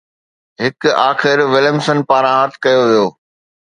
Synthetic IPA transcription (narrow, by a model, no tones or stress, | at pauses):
ɦɪkaːxɪɾʋɪləmsənpaːɾãɦɐt̪ʰkɐjoʋijoː